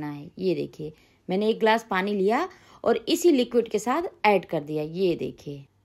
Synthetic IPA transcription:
naɛjed̪ḛːkʰieː | mɛ̃ːneeːk̚ɡlaːspaːnilija | ɔ̰ːɾɪsilɪkwɪɖkesaːt̪ʰɛːɖkɐɾd̪ijajed̪ḛːkʰieː

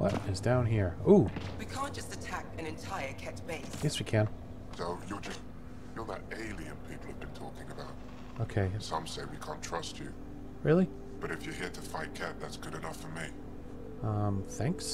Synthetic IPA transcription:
wʌ̰tɨzdãʊ̃nɦiɹuwikʰæ̃ˑnd̥ʒ̥ʌstɨtʰæk̚ɨ̃nɨ̃ntʰaɪə˞kʰɛt̚b̥eɪsjɛswikʰɨ̃n | soʊjəd͡ʒʌst | jə˞ðə̰ɾeɪlˠiɨ̃npʰipl̩ˠəvbɨ̃ntʰɔkɪ̃ŋɨbaʊt̚ | oʊkʰeɪsʌ̃mseɪwikʰæ̃ntʰɹ̥ʌst͡ʃʉ | ɹɪlˠi | b̥ʌɾɨfjə˞ɦiɹɾəfaɪt̚kʰɛt̪̚ðætsɡ̥ʊɾɨnʌfə˞mi | ʌ̃mθæ̃ŋks

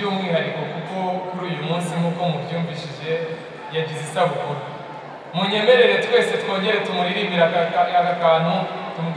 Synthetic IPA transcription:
uːmŋiːhaɾiko̞kuko̞kuɾuːjumuːnsimuko̞muvjuːmviʃiʒe̞ | jaɟizisaβukuɾu | muɲe̞me̞ɾe̞ɾe̞twe̞ːse̞two̞ːɲɟe̞ɾetumuɾiɾimiɾaakakaːnutumuɡ

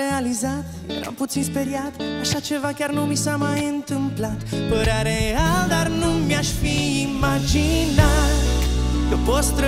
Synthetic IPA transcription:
ealizat̪ | jeɾa̰mput̪sinspeɾiat̪aʃat͡ʃe̞vakʲarnumisamajɨnt̪ɨmplat̪pəɾaɾeald̪arnumjaʃfiːmad͡ʒinat̪kəvost̪ɾə

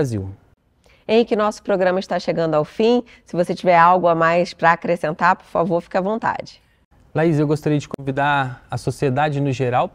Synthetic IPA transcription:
aziw | ẽjkɪnɔsʊ̥pɾoɡɾɐ̃mɐɪʃt̪aʃeɡɐ̃nd̪ʊawfĩ | sɪvoset͡ʃivɛɾawɡʊamajspɾɐːkɾesẽnt̪aɾpo̥ɾfa̰voɾfi̥kɐvõnt̪a̰d͡ʒɪ | laizewɡost̪aɾiɐd͡ʒɪkõvid̪aɐsosied̪ad͡ʒɪnʊʒeɾaw

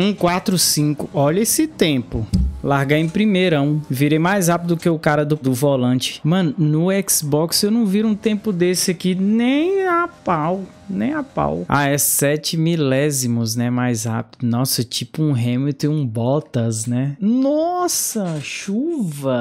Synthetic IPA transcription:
ũkwat̪ɾʊsĩkʊʔɔʎɐesɪt̪ẽpʊlaɾɡaẽj̃pɾimeɾɐ̃w̃viɾejmajshapid̪d̪ʊkeʊkaɾɐd̪ʊd̪ʊvolɐ̃t͡ʃɪ̥mɐ̃nʊnʊɛksbɔksewnɐ̃w̃viɾũt̪ẽpʊd̪esɪɐkinẽj̃apaw | nẽj̃apa̰wa̰ɛsɛt͡ʃɪmilɛzimʊznɛmajzha̰pid̪ʊnɔsɐt͡ʃipʊũɦẽmʊt̪iũbɔt̪ɐznɛnɔsɐʃuvɐ

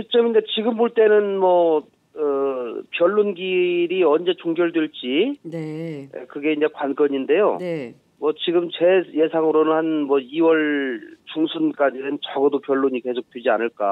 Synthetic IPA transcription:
t͡ɕit͡ɕ͈ʌmindet͡ɕiɡɯmboɭt͈e̞nɯnmwʌ | ɯpjʌɭːonɡiɾiʌnd͡ʑe̞t͡ɕoŋɡjʌɭdweɭt͡ɕ͈inḛkɯɡe̞inakwank͈ʌɲinde̞jo̰ | mwʌt͡ɕiɡɯmt͡ɕe̞je̞sʰaŋɯɾonɯnhanmwʌiwʌɭt͡ɕuŋsʰunk͈ad͡ʑinɯnt͡ɕaɡʌdopjʌɭːoɲike̞sʰok̚t͈wid͡ʑianɯɭk͈a̰

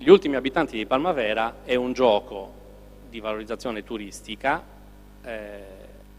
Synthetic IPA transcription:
ʎiult̪imiabit̪ant̪id̪ejpalmavɛːɾaɛund͡ʒɔːko | d̪ivaloɾid̪zat̪sːjɔːnet̪uɾist̪ika | ɛ

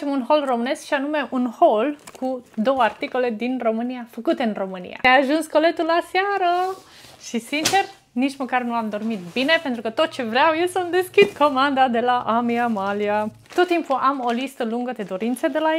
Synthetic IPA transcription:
t͡ʃemunɦo̞lro̞mɨne̞skʃianume̞ʔunho̞lkʰud̪o̞wəart̪iko̞le̞d̪inro̞mɨniafəkut̪e̞ɨnro̞mɨnḭja̰eaʒunsko̞le̞t̪ulːasaɾə | ʃisint͡ʃe̞r | nit͡ʃməkarnuamd̪o̞rmit̪bine̞pe̞nt̪ɾukət̪o̞t̪̚t͡ʃe̞vɾeawjelsəmd̪e̞skʲid̪ko̞mand̪ad̪e̞laʔamiamalia | t̪ot̪ːimpuʔamo̞list̪əluŋɡəd̪e̞d̪oɾint̪sed̪ela

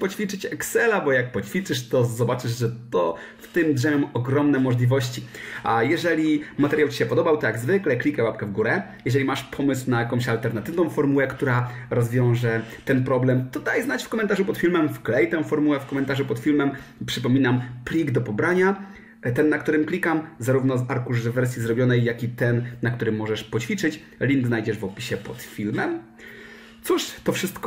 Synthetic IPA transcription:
pɔt͡ɕfʲit͡ʂɘt͡ɕɛksɛlabɔjak̚pɔt͡ɕfʲit͡ʂɘʂt̪ɔzɔbat͡ʂɘʐʐɛt̪ɔ | ft̪ɘmd̪ʐɛmʲɛmɔɡɾɔmnɛmɔʐlʲivɔɕt͡ɕiajɛʐɛlʲimat̪ɛɾjawt͡ɕi̥ɕɛpɔd̪ɔbawt̪ɔjaɡzvɘklɛklʲikɛwap̚kɛvɡuɾɛ | jɛʐɛlʲimaʂpʰɔmɘswnajakɔ̃w̃ɕalt̪ɛɾnat̪ɘvnɔ̃w̃fɔɾmuwɛkt̪uɾaɾɔzvʲjɔ̃w̃ʐɛt̪ɛnpɾɔblɛmt̪ɔd̪ajznat͡ɕfkɔmɛnt̪aʐupɔt̪fʲilmɛmfklɛjt̪ɛw̃fɔɾmuwɛfkɔmɛnt̪aʐupɔt̪fʲilmɛm | pʂɘpɔmʲinamplʲiɡd̪ɔpɔbɾaɲa | t̪ɛnːakt̪uɾɘmklʲikamzaɾuvnɔzaɾkuʐzɛvːɛɾsʲjizɾɔbʲjɔnɛjːakʲit̪ɛnːakt̪uɾɘmːɔʐɛʂpɔt͡ɕfʲit͡ʂɘt͡ɕ | lʲiŋɡ̪znajd͡ʑɛʐvɔpʲiɕɛpɔt̪fʲilmɛm | t̪suʂt̪ɔfʂɘst̪k

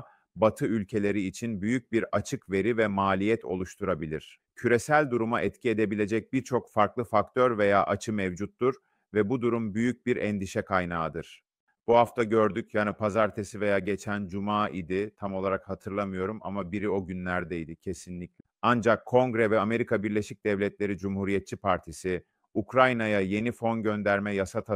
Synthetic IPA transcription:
bat̪ʰɯylʲcʰe̞lʲe̞ɾiːt͡ʃʰinbyjyc̚biɾat͡ʃʰɯkve̞ɾivɛmaːlʲijɛt̪ʰo̞̰lˠuʃt̪ʰuɾabilʲḭɾ̥ | cʰyɾe̞sælʲd̪uɾumaʔɛt̪cʰie̞d̪e̞bilʲe̞d͡ʒɛc̚biɾt͡ʃʰo̞kfaɾklˠɯfakt̪ʰøɾve̞jaːʔat͡ʃʰɯmɛvd͡ʒut̪ːuɾ | vɛbud̪uɾumbyjyc̚biɾʔɛnd̪iʃɛkʰajnaːd̪ɯɾ̥ | b̥uɦaft̪ʰaɟø̞ɾd̪ycʰjaːnipʰazaɾt̪ʰesive̞jaːɟet͡ʃʰænd͡ʒumaːid̪ɪt̪ʰamo̞lˠaɾakhat̪ʰɯɾlˠamɯjo̞ɾuma̰mabiɾio̞ɟynlʲæɾd̪ɛjid̪ɪcʰe̞sinlʲiclʲɛ | and͡ʒakʰːo̞ŋɡɾɛvɛame̞ɾikʰabiɾlʲeʃic̚d̪̥ɛvlʲɛt̪lʲe̞ɾid͡ʒumhuɾijɛt̪̚t͡ʃʰipʰaɾt̪ʰisɪ | ukɾajnajaje̞nifo̞nɟø̞nd̪æɾmɛjasat̪ʰa

